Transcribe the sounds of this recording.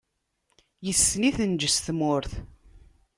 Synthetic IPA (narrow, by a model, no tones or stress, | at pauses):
jəsːniθənd͡ʒəsθmʊɾθ